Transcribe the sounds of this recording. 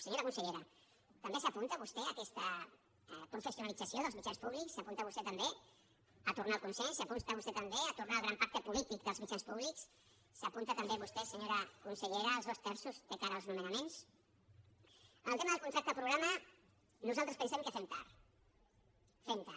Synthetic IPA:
səɲoɾəkunsəʎeɾə | t̪əmbesəpunt̪əβust̪ɛəkɛst̪ə | pɾufəsjunəlid͡zəsioðəlˠzmit͡ʃanspuβliksːəpunt̪əβust̪ɛt̪əmbe | ət̪urnaːlkunsɛʎsapunt̪əβust̪ɛt̪əmbeət̪urnaːlˠɣɾampak̚t̪əpulit̪ikðəlzmit͡ʃanspuβliks | səpunt̪ət̪əmbeβust̪ɛsəɲoɾəkunsəʎeɾəːlˠzβɔst̪ɛɾsuzd̪əkaɾəːlˠznumənəmens | ənəlˠt̪eməðəlˠkunt̪ɾap̚t̪əpɾuɣɾamə | nuzalˠt̪ɾəspənsɛmkəfɛmt̪a̰ɾ | femt̪a

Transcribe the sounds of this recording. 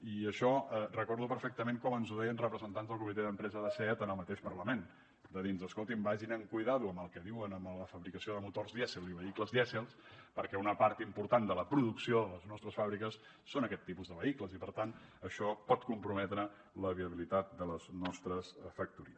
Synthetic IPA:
iəʃɔərəkɔɾðupəɾfɛk̚t̪əmeŋkɔmənzuðɛjənrəpɾəzənt̪anzðəlˠkumit̪eðəmpɾɛzəðəsɛt̪ənəlˠmət̪eʃpərləmen | d̪əðinzəskolˠt̪imbaʒinəŋkujðaðuəməlˠkɛðiwənəmləfəβɾikəsioðəmut̪orzðjɛsilˠziβəikləzðɛsilˠspəɾkɛunəpaɾt̪impuɾt̪and̪ələpɾuðuksioðələznɔst̪ɾəsfaβɾikəsː | onəkɛt̪ːipuzðəβəikləzipəɾt̪anəʃɔpɔt̪̚kumpɾumɛt̪ɾə | ləβiəβilit̪at̪̚d̪ələznɔst̪ɾəsfək̚t̪uɾiəs

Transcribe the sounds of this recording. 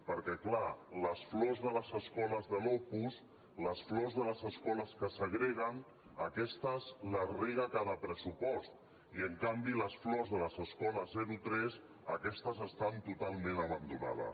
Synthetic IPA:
pəɾkɛklaləsflɔzðələzəskɔləzðəlɔpus | ləsflɔzðələzəskɔləskəsəɣɾɛɣ̞ən | əkɛst̪əzləreɣəkaðəpɾəsupɔst̪ | iəŋkambiləsflɔzðələzəskɔləzɛɾut̪ɾɛz | əkɛst̪əzəst̪ant̪ut̪alˠmẽnəβ̞ənd̪una̰ðə̰

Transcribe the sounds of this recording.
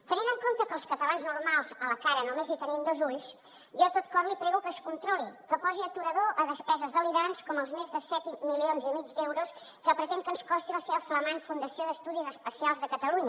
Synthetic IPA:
t̪əninəŋkont̪əkəːlˠskət̪əlanznuɾmalˠzələkaɾənomezit̪ənimd̪ozuʎs | jɔt̪ot̪̚kɔmlipɾɛɣukəskunt̪ɾɔlikəpɔziət̪uɾəðoʔəðəspɛzəzðəliɾanskɔməlˠzmezðəsɛt̪milionzimid͡zd̪ewɾus | kəpɾət̪ɛŋkənskɔst̪iləseβəfləmanfund̪əsioðəst̪uðizəspəsialˠzðəkət̪əluɲə

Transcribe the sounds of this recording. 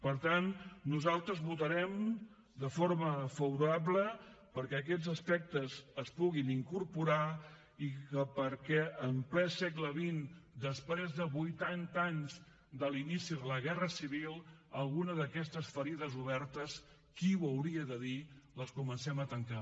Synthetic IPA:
pəɾt̪annuzalˠt̪ɾəzβut̪əɾɛm | d̪əfoɾməfəβuɾabləpəɾkɛək̬ɛd͡zəspɛk̚t̪əzəspuɣiniŋkuɾpuɾa | ikəpəɾkɛəmplɛsɛkləβind̪əspɾezðəβujt̪ant̪aɲz | d̪əlinisiðələɣɛrəsiβilˠəlˠɣunəðəkɛst̪əsfəɾiðəzuβɛɾt̪əs | kiwəwɾiəðəðiləskumənsɛmət̪əŋka

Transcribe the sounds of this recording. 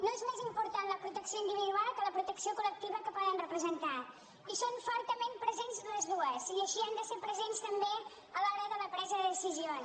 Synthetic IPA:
noezmezimpuɾt̪anləpɾut̪əksioind̪iβiðualˠkələpɾut̪əksiokulək̚t̪iβəkəpɔðənrəpɾəzənt̪a | isoɱfɔɾt̪əmempɾəzenzləzðuəziəʃiand̪əseɾpɾəzenst̪əmbe | əlɔɾəðələpɾɛzəðəðəsizio

